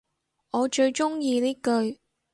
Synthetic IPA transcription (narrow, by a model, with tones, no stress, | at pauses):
ɔː˨˧t͡ʃɵ˧ɥt͡ʃʊ˥ŋjiː˧niː˥kɵ˧ɥ